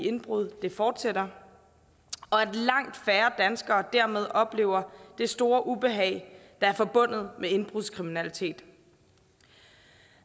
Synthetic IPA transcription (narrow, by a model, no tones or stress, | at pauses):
e̝nb̥ʁuð̞̰ˠd̥e̝fɒːd̥sed̥ɐ | ɒ̽æd̥lɑ̈ŋ̰d̥fæːɐd̥ænsɡ̥ɐːd̥æɐ̰með̞ˠʔɒ̽b̥le̝̰ːʊ̰ɐd̥e̝sd̥o̝ːɐʔub̥e̝ɦɛ̰ɪd̥ɑ̈æɐfɒ̽b̥ɔ̽n̰ð̞̩ˠmee̝nb̥ʁuðˠskʰʁiminælit͡sʰe̝̰ːd̥